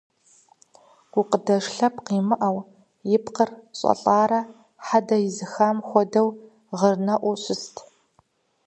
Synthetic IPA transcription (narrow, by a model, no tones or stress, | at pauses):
ɡ̥ʷʊqədɐʂɬɐpqiːmɨʔɐw | jɪpqərɕʼɐ̰ɬʼaːɾɐ | ħadɐjɪzɨxaːmxʷɔdɐw | ʁərnɐʔʷʊɕʷʊstʰ